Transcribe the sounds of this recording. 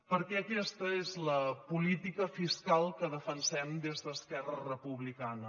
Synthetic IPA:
pəɾkɛəkɛst̪əezləpulit̪ikəfiskalˠkəðəfənsɛmd̪ezðəːskɛrərəpuβlikanə

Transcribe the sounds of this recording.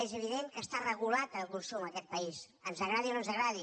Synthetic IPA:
ezəβiðeŋkəst̪arəɣulat̪əlˠkunsuməkɛt̪̚pəis | ənzəɣɾaðiononzəɣɾaði

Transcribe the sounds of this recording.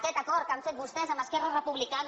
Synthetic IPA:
kɛt̪akɔɾkamset̪̚bust̪ɛsamaskɛrarepuβlikan

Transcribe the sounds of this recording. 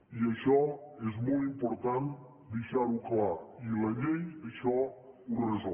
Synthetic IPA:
iəʃɔezmɔlimpoɾt̪an | d̪eʃaɾuklailɐʎejəʃɔunrezɔ

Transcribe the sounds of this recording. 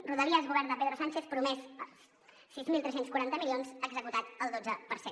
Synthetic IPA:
ruðəliəzɣuβɛɾnd̪əpeðɾosant͡ʃeθpɾumɛzə | sizmilˠt̪ɾɛsenskuɾant̪əmilionzəɡzəkut̪at̪əlˠd̪od͡zəpəɾse

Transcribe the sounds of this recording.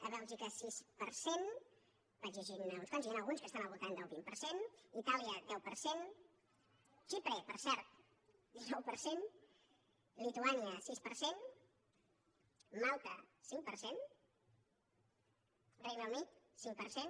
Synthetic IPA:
əβɛlˠʒikəsispəɾsen | bad͡ʒəʒinəunskonsjanəlˠɣunskəst̪anəlβult̪and̪əlˠβimpəɾsenit̪aliəd̪ɛwpəɾsen | ʃipɾepəɾsɛɾt̪̚ | d̪inɔwpəɾsen | lit̪uaniəsispəɾsen | malˠt̪ə̰siŋpəɾsen | rejnəwnit̪̚siŋpəɾsen

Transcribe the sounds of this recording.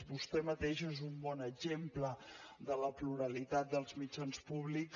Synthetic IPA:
bust̪ɛmət̪eʒezumbɔnəɡʒempləd̪ələpluɾəlit̪at̪̚d̪əlˠzmid͡ʒanspuβlik

